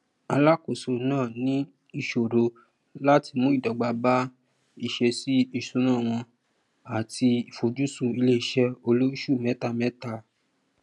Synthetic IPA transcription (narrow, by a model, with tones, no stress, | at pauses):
a˧la˦ko˨so˨nãː˦˨nĩ˨˦ | i˧ʃo˨ɾo˧ | la˦ti˧mũ˦i˦˨dɔ˨ɡ͡ba˧ba˦ | i˦˨ʃɛ˧si˦i˦˧˨sũ˦nã˦˨w̃ɔ̃˧ | a˨tʰi˧i˨fo˨d͡ʒu˦sũ˦˨i˧le˦i˦˨ʃɛ˧o˧lo˦ʃu˦˨mɛ˨˦ta˧mɛ˨˦ta˧˨